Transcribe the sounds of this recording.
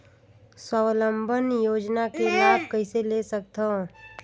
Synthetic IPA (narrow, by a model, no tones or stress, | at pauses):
swəwləmbʱənjoːd͡ʒnakelaːbʱkəiselesək̚t̪õ